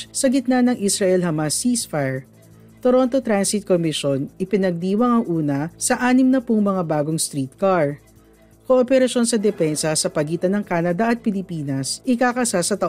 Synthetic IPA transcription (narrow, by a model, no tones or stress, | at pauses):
sɐɡɪt̪̚nanɐŋʔisɾɐʔɛlhɐmasisfaɹ | t̪oɾo̞nt̪o̞t̪ɾansɪt̪̚komɪʃonʔɪpɪnɐɡ̚d̪iːwɐŋɐŋʔuːnɐsɐʔaːnɪmnɐpʊŋmɐŋabaːɡoŋst̪ɾiːt̪̚kaɹ | koʔopɛɾɐʃo̞nsɐd̪ɛfɛnsɐsɐpɐɡiːt̪ɐnɐŋkaːnɐd̪ɐʔɐt̪̚pɪlɪpiːnɐsʔɪkakɐsasɐt̪ɐʔ